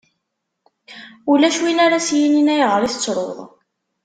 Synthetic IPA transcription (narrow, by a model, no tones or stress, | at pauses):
ulæʃwinaɾasjininæjəʁəɾˤiθət͡sːɾˤo̰ðˤ